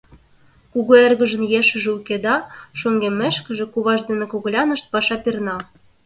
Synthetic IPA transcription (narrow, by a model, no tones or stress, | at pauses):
kuɣoerɣə̆ʒə̆njeʃə̆ʒĕuked̪ɑʃoŋɡemːeʃkə̆ʒĕkuβɑʒd̪ĕnekoɣ̆lʲɑnə̆ʃt̪̚pɑʃɑpirnɑ